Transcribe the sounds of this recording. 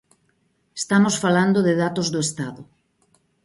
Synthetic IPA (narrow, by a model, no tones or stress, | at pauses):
est̪amosfaland̪ʊðɪðat̪ozðʊest̪aðʊ